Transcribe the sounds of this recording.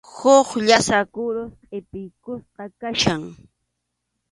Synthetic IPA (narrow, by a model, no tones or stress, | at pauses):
hoχʎasakʊɾosqʼɪpɪjkʊsqɑkaʃaŋ